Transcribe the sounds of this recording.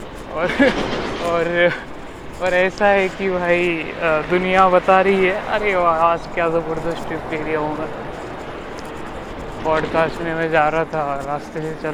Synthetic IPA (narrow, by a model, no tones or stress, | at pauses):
ɔːɾ | ɔːɾ | ɔːɾɛːsaɦɛkibʱaːid̪ʊnijabɐt̪aɾɐɦiɦɛʔɐ̰ɾeaːd͡ʒkjaːzobəɾd̪osʈɪpkeːɾijaɦõːŋɡa | bɔːɖkaːsʈmẽmɛ̃d͡ʒaːɾaɦat̪ʰaɾaːst̪eset͡ʃɐl